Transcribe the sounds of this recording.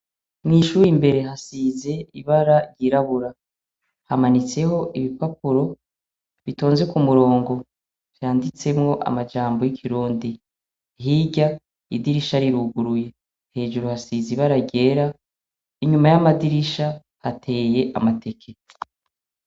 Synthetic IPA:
mŋiːʃuːɾimbe̞ɾe̞ɦasize̞iβaɾaɾjiɾaβuɾa | hamanit͡se̞ho̞ʔiβipapuɾo̞ | βito̞ːnze̞kumuɾo̞ːŋɡo̞ | vjaːndit͡se̞mŋo̞ʔa̰mad͡ʒaːmbo̞jikʰiɾuːndi | ɦiɟa | idiɾiʃaɾiɾuɡuɾuje̞ | he̞ːʒuɾuhasiziβaɾaɟe̞ːɾa | iɲumajamadiɾiʃa | hatʰe̞ːje̞ʔa̰mate̞kʰe̞

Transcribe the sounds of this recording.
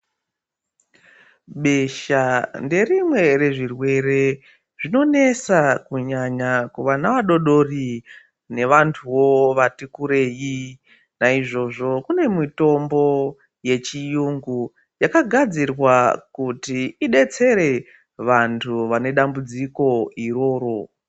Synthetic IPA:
ɓeʃande̞rimwe̞re̞ʐirwe̞re̞ | ʐino̞ne̞sakuɲaɲakuʋanaʋaɗo̞ɗo̞ri | ne̞ʋantʰuwoʋatikuɾe̞ji | naiʐo̞ʐo̞kune̞mito̞mbo̞ | je̞t͡ʃijuŋɡu | jakaɡʱad͡zirwakutiiɗe̞t͡se̞ɾe̞ | ʋantʰuʋane̞ɗambud͡ziko̞iɾo̞ːɾo̞

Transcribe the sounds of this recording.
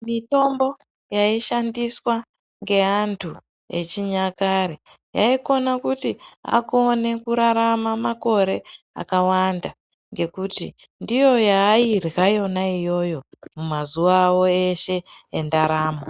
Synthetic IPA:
mito̞mbo̞ | jaiʃandiswa | ŋɡe̞antʰu | e̞t͡ʃiɲakaɾi | ja̰iko̞nakutia̰ko̞ne̞kuɾaɾamamako̞ɾe̞a̰kawanda | ŋɡe̞kutḭ | ndijo̞jaːirɣajo̞naijo̞jo̞mumazuʋawo̞e̞ʃe̞endaɾaːmo

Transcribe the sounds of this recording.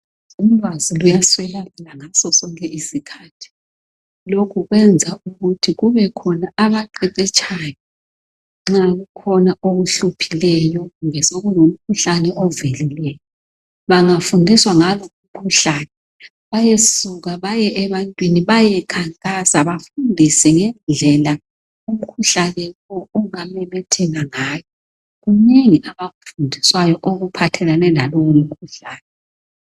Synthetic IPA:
um̩lwazilujaswɛlaβilaŋasɔsɔŋkʼɛʔisikʰaːtʰi̥ | lokʰuɣwɛnd͡zʱauɣutʰiɣuβɛkʰɔnaaβaǃɛǀɛt͡ʃʰʼajɔ | ŋ͡ǁaɣukʰɔnaʔoɣuɬupʰilɛjɔɣuŋɛsoɣulom̩kʰuɬanɛʔɔvelilɛjɔ | βaŋafundiswaŋaloum̩kʰuɬaːnɛ | βajesuɣaβajɛʔɛβantʼwiniβajɛkʰaŋkʼasaβafundʱisɛŋɛnd͡ɮʱɛla | um̩kʰuɬalɛkɔɔŋamɛβɛtʰɛɣaŋaːjɔ | ɣuneŋiʔaβaɣufundʱiswajɔʔoɣupʰatʰɛlanɛlalɔwom̩kʰuɬaːnɛ

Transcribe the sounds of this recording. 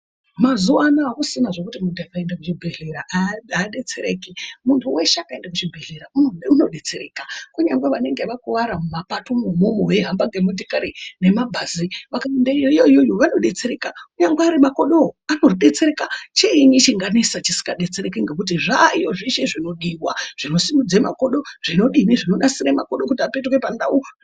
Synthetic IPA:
mazuanaːkusinaʐokutimuntʰuakaendakut͡ʃibʱeɮeɾaʔaɗe̞t͡seɾekimuntʰuweʃeakaendakut͡ʃibʱeɮeɾauuno̞ɗe̞t͡se̞ɾeːkakuɲaŋɡweʋane̞ŋɡeʋakuʋaɾamumapatomumomoweɦambaŋɡe̞mudikaɾine̞mabʱaziʋakaimdeioijoijojoʋano̞ɗe̞t͡se̞ɾe̞kakuɲaŋɡwaaːɾimako̞ɗoano̞ɗe̞t͡se̞ɾekat͡ʃeiɲit͡ʃiŋɡanisat͡ʃisi̥kɡaɗe̞t͡seɾekiŋɡe̞k̬ut̬iʐajo̞ʐiʃe̞ʐino̞ɗiwaʐ̥ino̞simud͡zema̰ko̞ɗo̞ʐ̥ino̞ɗimiʐino̞ɗasiɾaema̰koɗokutiape̞tɣwe̞panda̰u

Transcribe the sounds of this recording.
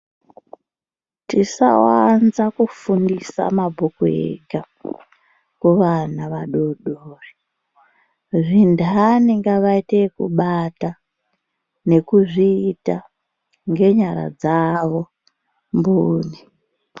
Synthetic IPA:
tisa̰wanzakufundisa̰mabʱokuḛɡʱa | kuʋanaʋaɗoɗoːri | ʐindaniŋɡaʋaitekṵɓata | ne̞kuʐiːta | ŋɡe̞ɲaɾa̰d͡zaʋo̞ | mbuːni

